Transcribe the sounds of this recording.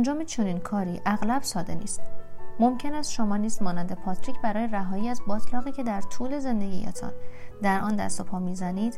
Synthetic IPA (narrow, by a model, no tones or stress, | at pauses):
ænd͡ʒɒːmet͡ʃʰo̞niːnkʰɒːɾiːʔæɣlæb̥sɒːd̪e̞nḭːst̪mo̞mcʰe̞næst̪ʃo̞mɒːniːst̪mɒːnænd̪e̞pʰɒt̪ɾiːcʰbæɾɒːje̞ɾæɦɒːjiːæzbɒːt̪ʰlɒːɣiːcʰe̞d̪æɾt̪ʰuːle̞ze̞nd̪e̞ɡʲḭjḛt̪ʰɒ̰nd̪æɾʔɒːnd̪æ̰st̪o̞pʰɒːmizæniːd̪̥